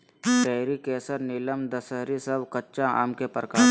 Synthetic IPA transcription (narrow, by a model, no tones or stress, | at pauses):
pɛːɾikɛːsəɾnɪləmd̪əsəɦɾisɐbkɐtːʃaʔa̰ːmkepəɾkaː